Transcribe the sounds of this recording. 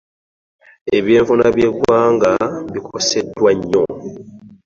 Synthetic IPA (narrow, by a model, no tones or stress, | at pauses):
e̞βjeːɱfunaβje̞ɡwaːŋɡaβikʰose̞dːwaɲːo